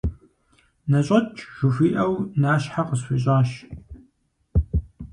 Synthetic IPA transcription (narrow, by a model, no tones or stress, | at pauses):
nɐɕʼɐt͡ʃʼʒ̥ʷʊfiːʔɐwnaːɕħaqəsfʷiɕʼaːɕ